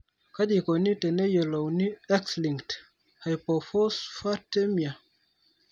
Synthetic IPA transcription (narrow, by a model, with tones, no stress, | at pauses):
ka˦di˨ko˨ni˦tɛ˨ne˦je˨lo˨wni˦ɛ˦ksli˨ŋkt | ha˨jpɔ˨fɔ˦sfa˦te˦mi˨a˨